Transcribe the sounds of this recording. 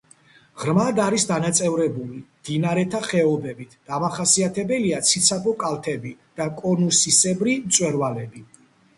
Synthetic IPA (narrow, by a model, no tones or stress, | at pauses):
ʁɾmad̪aɾisd̪anat̪sʼɛvɾɛbulimd̪̥inaɾɛt̪ʰaχɛɔbɛbit̪ʰd̪̥amaχasiat̪ʰɛbɛliat̪sʰit̪sʰapʼɔkʼalˠt̪ʰɛbid̪̥akʼɔnusisɛbɾimt̪sʼwɛɾvalɛbi